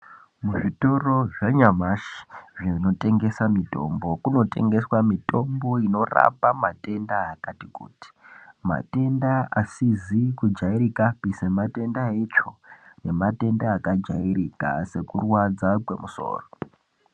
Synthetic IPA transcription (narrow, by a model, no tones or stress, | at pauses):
muʐito̞ro̞ʐaɲamaʃi̥ʐino̞te̞ŋɡe̞samito̞̰mbo̞kuno̞te̞̰ŋɡe̞swamito̞mbo̞ino̞ra̰pamate̞ndaːkatikṵːti̥ma̰te̞ndaasizikud͡ʒaiɾikapisemate̞ndaet͡ʃo̞ne̞mate̞ndaːkad͡ʒaiɾika̰se̞kurwad͡zakwe̞muso̞̰ːro